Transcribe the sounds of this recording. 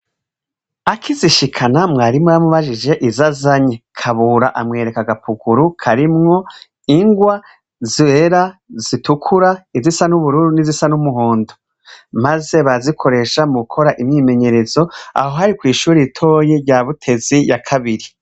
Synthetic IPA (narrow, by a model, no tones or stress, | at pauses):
akʰiziʃikʰanamŋaːɾimŋojamuβaʒid͡ʒe̞ʔizazaɲekʰaβuɾa̰ʔamŋe̞ːɾe̞kaɡapʰuɡuɾukʰaɾimŋo̞ | iŋɡwa | ziβeɾaz̥itukʰuɾaizisanuβuɾuːɾunizisanumuɦoːndo | maze̞βazikʰo̞ɾe̞ʃamukʰo̞ɾaʔimɲime̞ɲe̞ɾe̞zo̞a̰ho̞ɦaɾikwiːʃuːɾeitʰo̞ːjeɾɟaːβutʰe̞zijakʰaβiɾi